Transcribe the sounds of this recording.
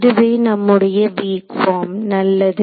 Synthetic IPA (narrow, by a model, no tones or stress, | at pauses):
ðɯʋeːnɐmːɯɽɐjɐʋiːkfaːmnɐlːɐðɯ